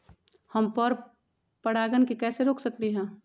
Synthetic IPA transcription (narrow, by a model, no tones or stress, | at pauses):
hɐmpəɾ | pəɽaːɡənkikɛːseɾoːkʰsɐk̚t̪iɦɛ̃ː